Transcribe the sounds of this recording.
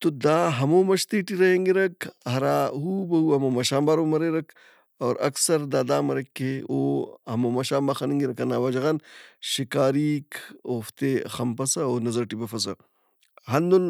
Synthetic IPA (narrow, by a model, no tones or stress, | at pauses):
t̪od̪aːɦɐmoːmɐʃt̪eʈiɾɐjeŋɡiɾɐkɦɐɾaːɦubɐhuːɐmomɐʃaːmbaːɾoːmɐɾeɾɐk | ɐːɾɐ̰ksɐɾd̪aːd̪aːmɐɾɐkːeo̰hɐmomɐʃãːmbaxɐniŋɡiɾɐkɐnaːwaːd͡ʒɐɣɐnʃikaːɾiːkoːft̪exɐmpɐsɐoːnɐzɐɾʈibɐfɐsɐ | ɦɐnd̪ul